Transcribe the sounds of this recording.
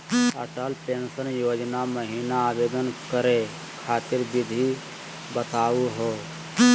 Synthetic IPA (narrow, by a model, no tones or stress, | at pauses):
ə̰ʈəlpeːnsənjoːd͡ʒnaməɦiːnaːbeːd̪ənkəɾe | kʰaːt̪ɪɾbid̪ʱi | bət̪aːuɦo